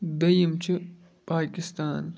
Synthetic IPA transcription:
d̪ɐjimt͡ʃʰi | paːkɪst̪aːn

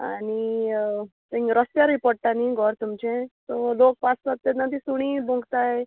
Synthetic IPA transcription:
a̰ni | t̪ẽŋɾəst̪jaɾipɔɽʈaniɡʱɔɾt̪umt͡ɕẽt̪ɔlok̚paspat̪ːet̪nat̪isuɽ̃ibʱũŋɡt̪aje

